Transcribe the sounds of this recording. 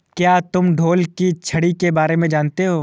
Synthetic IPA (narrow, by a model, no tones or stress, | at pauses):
kjaːt̪ʊmɖʱoːlkit͡ʃʰɐɽikebaːɾemẽd͡ʒaːnt̪eɦoː